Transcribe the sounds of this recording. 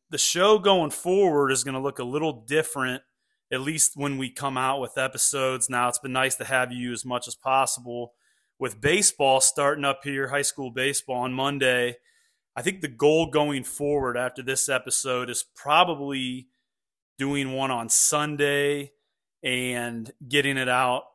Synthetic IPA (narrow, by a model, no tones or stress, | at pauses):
ðɨʃoʊɡoʊɪ̃ŋfɔɹwə˞ɾɨzɡʌñəlʊkəlɪɾl̩ˠdɪfɹɨ̃nt̚ | ɨtˡlist̚wə̃nwikʰʌ̃maʊt̚wəðɛpɨsoʊdznaʊətsb̥ɨ̃nːaɪstʰɨɨvjʉɨzmʌt͡ʃəz̥pʰɑsəbl̩ˠ | wɨðbeɪsb̥ɔlˠstɑɹɾɪ̃ŋʌphiɹɦaɪskulˠbeɪsb̥ɔlˠə̃nmʌ̃ndeɪ | aɪθɪ̃ŋk̚ðɨɡoʊlˠɡoʊɪ̃ŋfɔɹwə˞ɾæftə˞ðɪsɛpɨsoʊɾɨz̥pʰɹ̥ɑbəbli | d̥ʉɪ̃ŋwʌ̃ɾ̃ə̃nsʌ̃ndeɪ | ɨ̃nɡɛɾɪ̃ŋɨɾaʊt̚